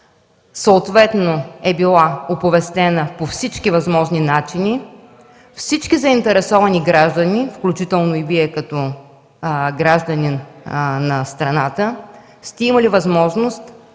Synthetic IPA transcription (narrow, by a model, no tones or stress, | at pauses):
səʊt̪vɛt̪noɛbilˠaopovɛst̪ɛnəpofsit͡ʃkivɐzmɔʒninat͡ʃini | fsit͡ʃkʲizəint̪ɛɾɛsɔvɐniɡɾaʒd̪ənifklʲut͡ʃit̪ɛlˠnoiviɛkɐt̪ɔ | ɡɾaʒd̪əninnɐst̪ɾɐnat̪ə | st̪ɛimɐlivɐzmɔʒnost̪